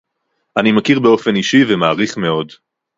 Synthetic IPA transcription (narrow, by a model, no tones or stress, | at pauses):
ʔanimakiʁbeo̞fe̞niʃivemaːʁiχme̞o̞d